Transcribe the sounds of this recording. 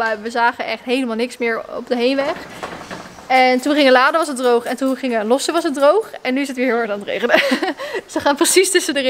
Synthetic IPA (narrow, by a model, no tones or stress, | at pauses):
aʋəzaːχəʔɛχtɦejləmaːlˠnɪksmɪːɹɔ̰pdəɦejnʋɛχ | ɛntunχɪŋəlaːdəʋɑsədrowχɛntunχɪŋəlɔsəʋɑsət̚drowχɛnːyɪsətʋɪːɹɦɪːlˠɑɹtaːnətrḛjχənədsʋəχaːnprəsistɵsədər